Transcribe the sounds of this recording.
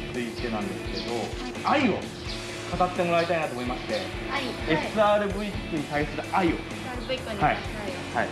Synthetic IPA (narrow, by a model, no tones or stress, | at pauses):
t͡sɨit̪ːenãnd̪e̞sɨ̥ke̞d̪o̞ | aio̞ | kat̪at̪ːe̞mo̞ɾait̪ainat̪omo̞imaɕi̥t̪e̞ | e̞sɨaːɾɯ̟bɯ̟ikkːɯ̟ɲ̟it̪aisɨɾɯ̟aio̞̰ | hai | hai